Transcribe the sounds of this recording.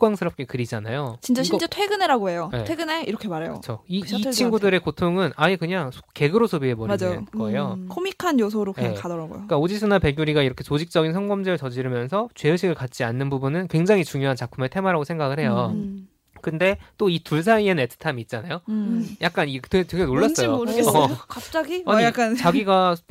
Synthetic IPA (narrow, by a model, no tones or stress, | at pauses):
k͈waŋsʰɯɾʌp̚k͈e̞kɯɾid͡ʑanajot͡ɕint͡ɕ͈aɕʰit͡ɕ͈etʰweɡɯneɾaɡoɦe̞jojeweɡɯne̞iɾʌkʰemaɾejo̰ɯt͡ɕʰoit͡ɕʰinɡudɯɾe̞kotʰoŋɯnaekɯɲaŋsʰo̥ke̞ɡɯɾosʰobiɦe̞bomad͡ʑajoɡʌejokʰomikʰanjos̬ʰoɾokɯakadʌɾaɡo̰jo̰k͈aod͡ʑisʰɯnape̞ɡjuɾiɡaiɾʌkʰet͡ɕod͡ʑik̚t͡ɕ͈ʌɡinsʰʌŋɡʌmd͡ʑeɯɭʌd͡ʑiɾɯmjʌnsʰʌt͡ɕwe̞ɯɕʰiɡɯɭkat̚t͡ɕ͈ianːɯnbubunɯnkwe̞ŋd͡ʑaŋit͡ɕuŋjoɦant͡ɕak̚pʰume̞tʰe̞mwaɾaɡosʰe̞ŋɡaɡɯɭhe̞jo | kɯnde̞t͈oituɭs̬ʰaiennetʰɯ̥tʰamiːt̚t͡ɕ͈anajojak̚k͈aniteteɡe̞noɭːas͈ʌjookap̚t͡ɕ͈aɡiaik͈ant͡ɕaɡiɡa